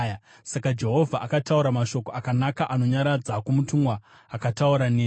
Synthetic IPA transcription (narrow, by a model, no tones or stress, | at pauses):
ja | sakad͡ʒe̞ɦo̞vʱaʔakatauɾamaʃo̞koakanakaʔano̞ɲaɾad͡zakumutuŋɡwaː | katauɾaneː